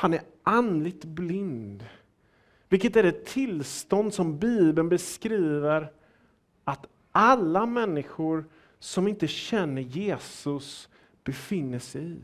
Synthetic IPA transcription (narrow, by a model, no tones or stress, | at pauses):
hanæɾ | anlɪɡ̚t̪blɪnd̪ | vɪlkət̪æɾɛt̪ʰːɪlst̪ɔnd̪sɔmbiːbənbɛskɾiːvəɾ | at̪ | ʔalːamɛnːɪɧʊɾ | sɔmɪnt̪əɕɛnːəɾjeːsɵs | b̥ɛfɪnːəʂɛɪ